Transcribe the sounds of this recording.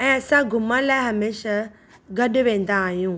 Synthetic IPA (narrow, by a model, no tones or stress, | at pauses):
ɛ̃ːɐsãɡʱʊmə̃laːɪɦɐmeːʃa | ɡɐɗʊʋẽːn̆d̪aːɦijũː